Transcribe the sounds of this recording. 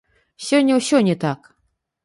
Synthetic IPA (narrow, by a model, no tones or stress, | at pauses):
sʲɔnʲːɐwsʲɔnʲɛt̪ak